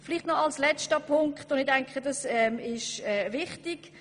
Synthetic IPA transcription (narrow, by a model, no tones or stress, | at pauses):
fɪliχtnɔɑlslɛt͡ʃtəpʰʊŋkχtʊnɪdɛŋkχədɑsɛmɪʃɛvɪχtik